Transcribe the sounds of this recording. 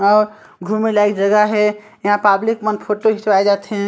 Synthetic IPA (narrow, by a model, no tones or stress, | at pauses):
ɔːɾ | ɡʱumilajkd͡ʒəɡəɦe | jɐɦãpablikmənpʰoʈoɦisʋajd͡ʒat̪ɦɛ̃